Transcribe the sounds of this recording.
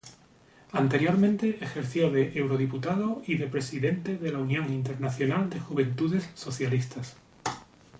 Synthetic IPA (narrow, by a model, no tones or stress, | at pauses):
ant̪e̞ɾjo̞ɾmẽnt̪e̞ʔexe̞ɾθjo̞ðe̞ʔewɾo̞ðiput̪aðoiðe̞pɾe̞siðe̞nt̪e̞ðe̞launjõ̞ŋint̪e̞ɾnaθjo̞nald̪e̞xuβ̞ẽ̞nt̪uðe̞sːo̞θjalist̪as